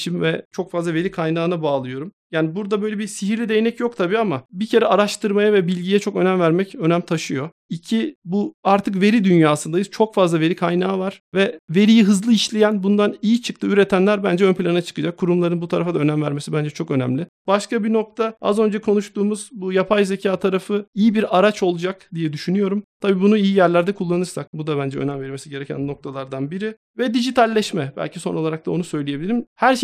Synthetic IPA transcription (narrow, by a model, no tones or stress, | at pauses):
ʃimvɛt͡ʃʰo̞kfazlˠave̞ɾikʰajnaːnabaːlˠɯjo̞ɾumjaːnibuɾd̪abø̞jlʲɛbisiɦiɾlʲid̪e̞jinɛcjok̚t̪ʰabiːamabicʰe̞ɾɛaɾaʃt̪ɯɾmajavɛbilʲɟijɛt͡ʃʰo̞kø̞næmvæɾmɛcø̞næmt̪ʰaʃɯjo̞ | icʰibuaɾt̪ʰɯkve̞ɾid̪ynjaːsɯnd̪ajɯzt͡ʃʰo̞kfazlˠave̞ɾikʰajnaːvaɾ̥vɛve̞ɾijiɦɯzlˠɯiʃlʲejænbund̪anijit͡ʃʰɯ̥k̚t̪ʰɯyɾɛt̪ʰænlʲæɾbænd͡ʒɛønpʰlʲanat͡ʃʰɯ̥kɯd͡ʒakʰːuɾumlˠaɾɯnbut̪ʰaɾafad̪aønæmvæɾmesibænd͡ʒɛt͡ʃʰo̞kø̞næ̰mlʲɪ | b̥aʃkabino̞k̚t̪ʰaa̰zø̞nd͡ʒɛkʰo̞nuʃt̪uːmuz̥bujapʰajzecʰaːt̪ʰaɾafɯijibiɾaɾat͡ʃʰo̞lˠud͡ʒakd̪ijɛd̪yʃynyjo̞ɾumt̪ʰabiːbunuijijæɾlʲæɾd̪ɛkʰulˠːanɯɾsak̚bud̪abænd͡ʒɛø̰næmvɛɾmesiɟe̞ɾecʰæ̰nno̞k̚t̪ʰalˠaɾd̪anbiɾɪ | vɛd̪iʒit̪ʰalʲːɛʃmɛbæ̰lʲcʰiso̞no̞lˠaɾak̚t̪ʰao̞nusø̞jlʲijebilʲiɾimhæɾʃ